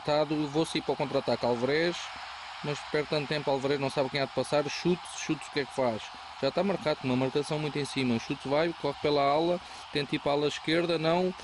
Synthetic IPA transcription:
t̪aðuewvosɐiɾpɾɐkõnt̪ɾɐt̪aɾkalˠvɐɾɛʃ | mɐʃpɛɾð̚t̪ːɐ̃t̪̚ːt̪ẽmpalˠvɐɾɛʒnɐ̃w̃saβkɐ̃j̃aðpɐsaɾʃut̪ʃut̪z̥u̥kɛkfaʃ | ʒ̥aʃt̪amɐɾkaðkumɐmɐɾkɐsɐ̃w̃mũj̃t̪ẽj̃simɐʃut̪vajkolˠɔkpelˠɐalˠɐ | t̪ẽt̪ipalˠɐʃkeɾðɐnɐ̃w̃

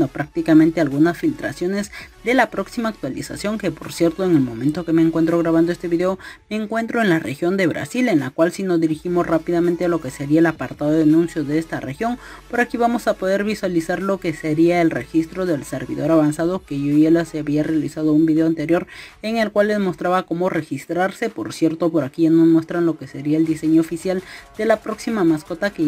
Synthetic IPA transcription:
opɾak̚t̪ikamẽnt̪e̞alɣunasfilt̪ɾa̰sjo̞ne̞zd̪e̞lapɾo̞ksimaːk̚t̪walḭsa̰sjo̞ŋke̞po̞̰ɾsje̞ɾt̪o̞e̞ŋe̞lmõ̞mẽ̞nt̪o̞ke̞meːŋkwe̞nt̪̬ɾo̞ɣɾaβand̪oe̞st̪e̞βiðeome̞ːŋkwe̞nt̪ɾo̞enlarexjo̞nd̪e̞βɾa̰sile̞nlakwalsino̞zðiɾiximo̞srapiðament̪e̞alo̞ke̞se̞ɾiaelapaɾt̪aðoðanũnsjo̞ðeest̪are̞xjo̞ŋpo̞ɾakiβamo̞sapo̞ð̞e̞ɾβiswalisaɾlo̞ke̞se̞ɾiae̞lre̞̰xist̪ɾo̞ðe̞lse̞ɾβḭðo̞ɾaβansað̞o̞keʝoielaseaβiarealisað̞o̞umbiðeoant̪e̞ɾjo̞ɾe̞ŋe̞lkwalːe̞zmo̞st̪ɾaβako̞mo̞re̞xist̪ɾaɾse̞po̞ɾsje̞ɾt̪o̞po̞ɾakiʝanomwe̞st̪ɾanlo̞kese̞ɾiaeld̪ise̞ɲoːfisjald̪̥e̞lapɾo̞ksimamasko̞t̪ake

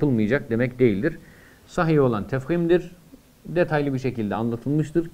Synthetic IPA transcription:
pɯlˠmɯjad͡ʒak̚d̪e̞mɛcd̪e̞jilʲd̪iɾ̥ | saɦio̞lˠant̪ʰæfhimd̪iɾ | d̪et̪ʰajlʲˠibiɾʃecilʲd̪ɛanlˠat̪ʰɯlˠmɯʃt̪ʰɯɾ

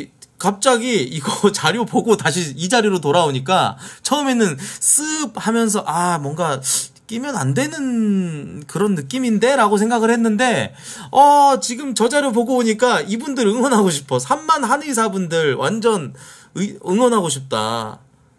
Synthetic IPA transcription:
kap̚t͡ɕ͈aɡiːɡʌt͡ɕaɾjopoɡotaɕʰiid͡ʑaɾiɾotoɾaoɲik͈at͡ɕʰʌɯme̞nɯns͈ʰɯb̚hamjʌns̬ʰʌʔamwʌŋɡa | k͈imjʌnandwe̞nɯn | kɯɾʌnːɯk͈iminde̞ɾaɡos̬ʰeŋɡaɡɯɭhe̞nːɯnde̞ | ʌt͡ɕiɡɯmt͡ɕʌd͡ʑaɾjop̬oɡoboɲik͈aibundɯɾɯŋwʌnɦaɡoɕʰi̥pʰʌsʰamːanhanis̬ʰabundɯɾwʔa̰nd͡ʑʌn | ɯɯŋwʌnɦaɡoɕʰip̚t͈a̰

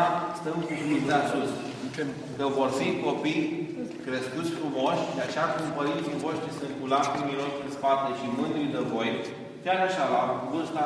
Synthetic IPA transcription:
st̪əmkukuzd̪easus | kəvo̞rfiko̞pij | kɾeskut̪sʲfɾumoʃʲd̪eat͡ʃeakumpəɾint̪sijvo̞ʃt̪ɾisɨŋkulat̪imiloʃespat̪eʃimɨnd̪ujd̪evo̞j | k̪ʲjaɾaʃalamkuvɨnst̪a

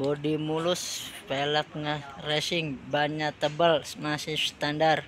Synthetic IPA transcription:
bodimulʊspelək̚narɛsɪŋbaɲat̪əbəlsmasɪhst̪andar

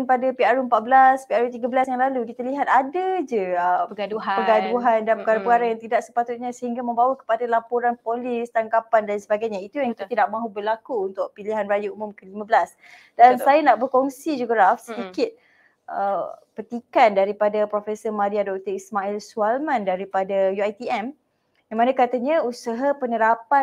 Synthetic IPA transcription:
npadapiaɾuəmpat̪̚bəlaspiaɾut̪̬iɡabəlasjaŋlalukit̪aliɦat̪̚adad͡ʒəəadupəɡaduɦandanpəkaɾapəkaɾajaŋt̪idaʔsə̥pat̪ʊt̪̚ɲasəɦiŋɡamə̃mbawakə̥padalapuɾanpolist̪aŋkapandansəbaɡajɲait̪ujaŋkit̪idaʔ̚mãɦubərlakuunt̪ʊk̚piliɦanrajaumʊmkəlimabəlas | dansajanaʔbərkɔŋsid͡ʒuɡəɾafsədikɪt̪̚ | ʔəpərt̪ikandaɾipadapɾofɛsəmaɾiadɔk̚t̪əismaɛlsualmãndaɾipadajuajt̪iɛm | jaŋmanãkat̪aɲãusəɦapənəɾapa

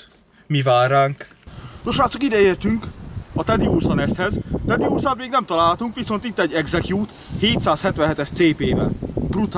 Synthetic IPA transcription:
mivaːraːŋk | noʃaːt̪sokid̪ɛeːrt̪yŋkɒt̪ɛd̪iuːrsonɛst̪hɛzt̪ɛd̪iuːrsaːt̪meːɡnɛmt̪ɒlaːlɦɒt̪uŋkʋiso̞nt̪it̪ːɛɟːɛɡzɛkjuːt̪ | heːt̪saːshɛt̪ʋɛ̃ɦɛt̪ɛʃt̪seːpeːvɛ̰lbrut̪

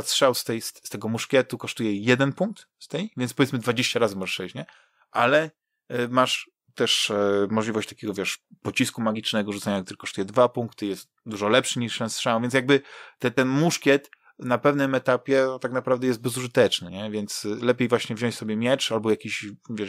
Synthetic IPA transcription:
stʂaw̪st̪ɛjsst̪ɛɡɔmuʂkʲjɛt̪ukɔʂt̪ujɛjɛd̪ɛnpuŋk̚t̪ | st̪ɛjvʲjɛnspɔvʲɛt̪mɘd̪vad͡ʑeɕt͡ɕaɾazɨmɔʐɛʂsɛjt͡ɕɲɛ | ʔa̰lɛ | maʂ | t̪ɛʂmɔʐlʲivɔɕt͡ɕt̪ḁkʲeɡɔvʲjɛʂpɔt͡ɕiskumaɡʲit͡ʂnɛɡɔʐut̪sɛɲakt̪uɾɘkɔʂt̪ujɛd̪vapuŋkt̪ɘjɛst̪ | d̪uʐɔlɛpʂɘɲiʂt̪ɛnstʂɛw̃vjɛnsjaɡ̚bɘt̪ɛt̪ɛnmuʂkʲɛt̪ | napɛvnɘmɛt̪apʲjɛt̪aknapɾavd̪ɛjɛsd̪̚bɛzuʐɨt̪ɛt͡ʂnɘɲɛvʲjɛnt̪slɛpʲejvwaɕɲɛvʑɔ̃ɲt͡ɕʲsɔbʲjɛmʲjɛt͡ʂalbɔjakʲiɕvʲjɛ

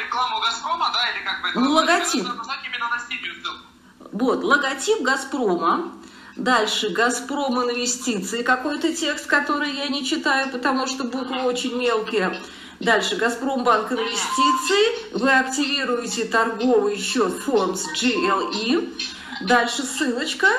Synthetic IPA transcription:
ɪkˠaɡp | nlˠəɡɐtʲip | vo̞t̪lˠəɡɐtʲipɡɐspɾomə | d̪alʲʂɨɡɐspɾo̞mɨnvʲɪsʲtʲit̪sɨɪkɐko̞jt̪ətʲe̞kst̪kɐt̪o̞ɾɨjjanʲɪt͡ɕɪt̪ajʊpət̪ɐmuʂt̪obuk̪ot͡ɕɪnʲmʲe̞lˠkʲɪjə | d̪alʲʂɨɡɐspɾo̞mbankɨnvʲɪsʲtʲit̪sɨɪvɨɐktʲɪvʲiɾʊjɪtʲɪt̪ɐrɡo̞vɨjɕːo̞t̪formsd͡ʒɨɛlˠi | d̪alʲʂɨsːɨlˠət͡ɕkə

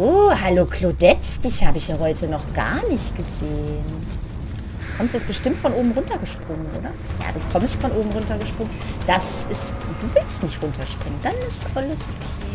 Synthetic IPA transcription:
oːhaloːkʰlodɛtd̥içhaːbəɪçjaːhɔʏtʰənɔχɡ̥a̰ɐnɪçtɡ̥əzeːən | kʰɔmstɪsb̥əʃtɪmtfɔnʔoːbm̩ʁʊntɐɡəʃpʁ̥ʊŋənʔo̰ːdɐ | ja̰ːd̥uːkʰɔmstfɔnʔoːbm̩ʁʊntɐɡəʃpʁ̥ʊŋənd̥asɪsd̥uːvɪltnɪçtʁʊntʰɐʃpʁ̥ɪŋənd̥anɪstɔləs

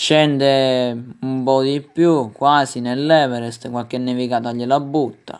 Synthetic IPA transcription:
ʃɛnd̪eumpɔd̪ipːjukːwaːsinelːɛːvɛɾɛst̪kwalkɛnːɛvikaːt̪aʎːilabːut̪ːa̰

